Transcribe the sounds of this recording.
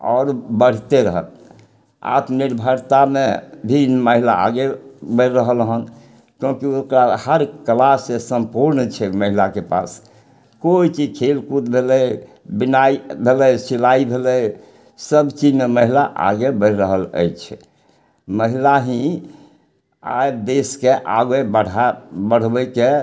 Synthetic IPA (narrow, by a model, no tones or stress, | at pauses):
ɔ̰ːɾbəɽ̤t̪eɾəɦə̰l | a̰t̪niɾbʱəɾt̪amḛbʱinməɦila̰a̰ɡebəɾəɦəlɦən | kjõkiokɾahəɾkəlasːesəmpuɾnt͡ʃʰɛməɦilakepa̰s | koit͡ʃid͡ʒkʰelkut̪bʱelə | binaibʱeləjsilaibʱelə | səbt͡ʃid͡ʒneməɦilaʔa̰ɡebəɾɾəɦələ̰jt͡ʃʰɛ | məɦilaɦĩ | a̰jd̪eskeʔaɡebəɽabəɽ̤bəke